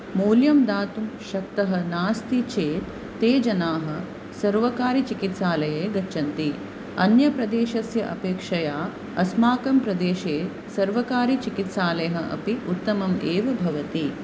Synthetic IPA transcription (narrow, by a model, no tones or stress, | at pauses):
muːljɐmd̪aːt̪umʃɐk̚t̪ɐɦɐ̆naːst̪it͡ʃeːt̪ːeːd͡ʒɐnaːɦɐ̆ | sɐɾʋɐkaːɾit͡ʃikit̪saːlɐjeːɡɐt͡ʃɐnt̪i | ɐnjɐpɾɐd̪eːʃɐsjɐʔɐpeːkʂɐjaː | ɐsmaːkɐmpɾɐd̪eːʃeː | sɐɾʋɐkaːɾit͡ʃikit̪saːlɐjɐɦɐʔɐ̰piut̪ːɐmɐmeːʋɐbʱɐʋɐt̪i